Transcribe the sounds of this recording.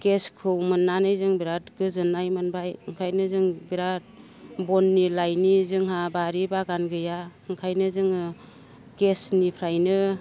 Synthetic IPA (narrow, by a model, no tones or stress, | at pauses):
ɡeskʰɯwmɯnːanɯjzɯŋbiɾatɡɯzɯnajmɯnbajɯŋkʰajnɯzɯŋbiɾa | bɔnːilajnizɯŋɦabaɾibaɡanɡɯjaɯŋkʰajnɯzɯŋɯ | ɡ̥esnipʰɾajnɯ